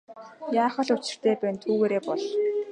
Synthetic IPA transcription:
jaːχə̆ɮʊt͡ɕɪ̆r̥t̪eːpæːnt̪ʰuːɣeːɾeːpɔɮ

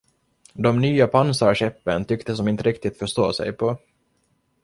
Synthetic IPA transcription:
d̪ɔmnyːapʰansɑɕɛpːənt̪ʰʏkt̪əsɔmɪnt̪əɾɪkt̪ɪt̪fœʂt̪o̰ːsɛ̰jpʰɔ

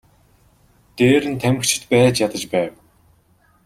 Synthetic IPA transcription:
t̪eːɾɘ̆nt̪ʰæmɘ̆xt͡ɕʰɪ̥̆t̪pæːt͡ɕjat̪ə̆t͡ɕpæːw

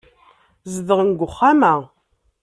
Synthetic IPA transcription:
zəðəʁənɡʷʊχːamæ

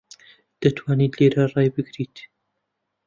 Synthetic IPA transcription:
d̪̥ɐt̪ʰwaːnit̪leːɾarˤɑːjbɨɡɾit̪

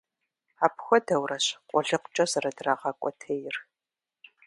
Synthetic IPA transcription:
aːpxʷɔdɐwrɐɕqʷʼɔɮɨqʷʊ̥t͡ʃʼɐzɐrɐdraːʁɐkʷʼɔtʰɐjɪr

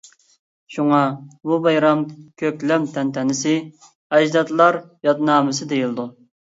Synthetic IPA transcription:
ʃuŋɑbubɑjɾɑmkʲʰøkʲlɛmt̪ʰɛnt̪ʰɛnɪsɪ | ɛd͡ʒd̪ɑt̪lˠɑɾjɑt̪nɑːmɨsɨd̪ejilˠɨd̪u

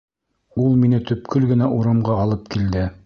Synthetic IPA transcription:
ulˠminɘt̪ɵ̆p̚kʰɵlɡɘ̆næʔuɾɑmʁɑɑlˠɤp̚kild̪ɘ

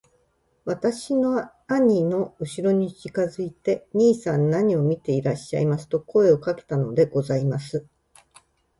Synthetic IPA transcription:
βat̪aɕino̞ | aɲ̟ino̞ɯ̟ɕiɾo̞ɲ̟iɕikazɨit̪e̞ɲ̟iːsãnːaɲ̟io̞mʲit̪e̞iɾaɕːa̰imasɨ̥t̪o̞ko̞e̞o̞kake̞̥t̪ano̞d̪e̞ɡ̥o̞zaimasɨ

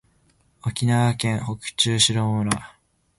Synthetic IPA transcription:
o̞kʲinaβakẽ̞ɰ̃ho̞kɯ̟̥t͡ɕɨːɕiɾoːmɯ̟ɾa

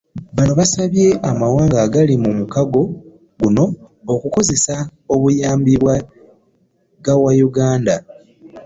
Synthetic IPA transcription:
βanoβasaβje̞ʔamawaːŋɡaːɡalimumukaɡo̞ | ɡuno̞ː | kuko̞ze̞sao̞βujaːmbiβwa | ɡawajuɡaːnda

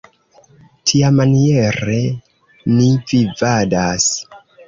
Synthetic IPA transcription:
tʰiamanie̞ɾe̞ | nivivadas

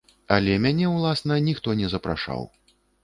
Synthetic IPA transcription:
ɐlʲɛmʲanʲɛwlˠasnɐnʲixt̪ɔnʲɛzɐpɾa̰ʂa̰w

